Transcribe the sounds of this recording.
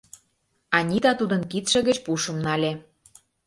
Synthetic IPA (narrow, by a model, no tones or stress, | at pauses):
ɑnʲit̪ɑt̪ud̪ə̆nkit̪ʃĕɣə̆t͡ɕpuʃə̆mnɑlʲe